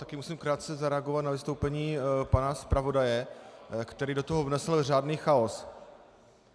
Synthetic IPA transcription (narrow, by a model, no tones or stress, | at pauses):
t̪akɪmusiːmkɾaːt̪̚t͡sɛzaɾɛaɡo̞vat̪navɪst̪owpɛɲiːpanaspɾavo̞dajɛkt̪ɛɾiːdo̞t̪oɦovnɛsl̩r̝aːdniːxaos